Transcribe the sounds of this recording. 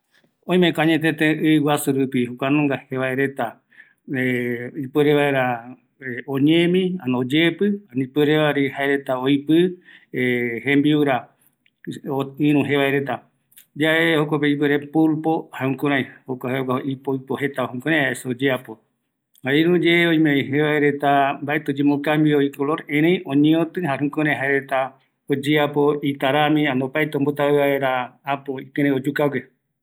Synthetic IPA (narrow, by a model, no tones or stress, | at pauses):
õĩmẽkaɲẽt̪ẽt̪ẽʔɨwasuɾupihukʷanõŋɡaheβaeɾe̞t̪a | eipɨɾeβaeɾa | õɲẽmĩanod͡ʒepɨanĩpɨɾeʋaɾihaeɾet̪aojpɨehẽmbiuɾa | oĩɾ̃ũɦeβaeɾe̞t̪a | d͡ʒaʔehokʷapeipɨɾepulpohaũkõɾ̃ãj̃hokahekaʔipoipoɦe̞t̪ahũŋkoɾẽhaesod͡ʒeapo | haĩɾũd͡ʒeoj̃meeɦeβaeɾet̪ambaʔet̪od͡ʒemõkambioikoloɾẽɾ̃ẽj̃õɲẽõt̪ɨɦaɾũkoɾẽɦaeɾet̪a | od͡ʒeapoit̪aɾamĩãnd̪opaet̪ombot̪aɨβaeɾaːpoikẽɾ̃ẽod͡ʒukaɡʷe